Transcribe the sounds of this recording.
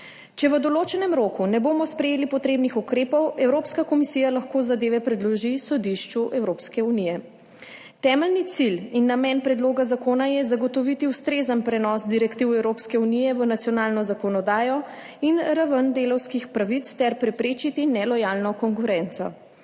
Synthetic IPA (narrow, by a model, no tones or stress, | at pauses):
t͡ʃɛʋəd̪ɔloːt͡ʃɛnɛmɾoːkunɛbomɔspɾɛjeːlipɔt̪ɾeːbnixukɾeːpɔwɛwɾopskakɔmisijalaxkoːzad̪eːʋɛpɾɛd̪lɔʒisɔd̪iʃt͡ʃuʔɛwɾopskɛunijɛ | t̪ɛːmɛlnit̪silinːamɛnpɾɛd̪loːɡazakoːnajɛzaɡɔt̪ɔʋit̪iwst̪ɾeːzənpɾɛnɔsd̪iɾɛkt̪iwɛwɾoːpskɛunijɛʋənat̪sijɔnaːlnɔzakɔnɔd̪aːjɔ | inɾaʋənd̪elɔwskixpɾaʋit̪st̪ɛɾpɾɛpɾeːt͡ʃit̪inɛlɔjaːlnɔkɔŋkuɾɛnt̪sɔ̰